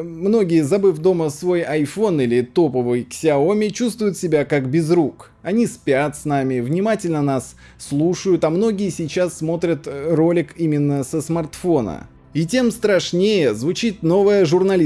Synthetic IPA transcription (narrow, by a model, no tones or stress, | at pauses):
mno̞ɡʲɪjəzɐbɨfʲd̪o̞məsvo̞jɐjfo̞nilʲɪt̪o̞pəvɨjksʲɪɐo̞mʲɪt͡ɕust̪vʊjʊt̪sʲɪbʲakakbʲɪzɾuk | ɐnʲispʲat̪snamʲɪvnʲɪmatʲɪlʲnənasː | lˠuʂəjʊt̪ɐmno̞ɡʲɪjəsʲɪjt͡ɕasːmo̞t̪ɾʲət̪ro̞lʲɪkimʲɪnːəsəsmɐrt̪fo̞nə̰ | itʲe̞mst̪ɾɐʂnʲejəzvʊt͡ɕit̪̚no̞vəjəʐʊrnɐlʲi